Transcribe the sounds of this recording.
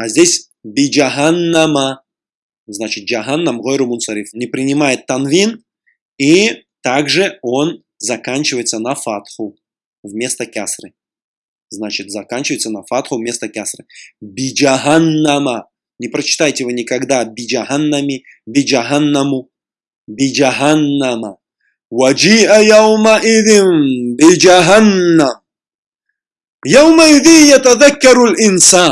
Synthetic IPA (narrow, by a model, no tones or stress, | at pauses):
azʲdʲesʲ | bʲɪd͡ʒaɦanːama | znat͡ɕɪt̪̚d͡ʒaɦanːamʁojɾʊmʊnsɐɾʲifnʲɪpɾʲɪnʲɪmajɪt̪ːɐnvʲin | it̪aɡʐɨo̞n | zɐkanʲt͡ɕɪvəjɪt̪sənɐfat̪xʊ | vmʲe̞st̪əkʲasrɨ | znat͡ɕɪt̪zɐkanʲt͡ɕɪvəjɪt̪sənɐfat̪xʊvmʲe̞st̪əkʲasrɨbɪd͡ʒaɦanːama | nʲɪpɾɐt͡ʃɪ̥t̪ajtʲɪvɨnʲɪkaɡd̪abʲɪd͡ʒaɦanːɐmʲi | bʲɪd͡ʒaɦanːɐmʊ | bɪd͡ʒaɦanːama | wad͡ʒiːʔajawmaʔɪðɪnbɪd͡ʒaɦanːam | jawmaɪðijɐt̪ɐðakːɐɾalʔɪnsaːn